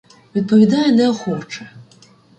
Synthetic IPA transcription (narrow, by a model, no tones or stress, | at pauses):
vʲit̪̚pɐvʲid̪ajɛnɛɔxɔt͡ʂɛ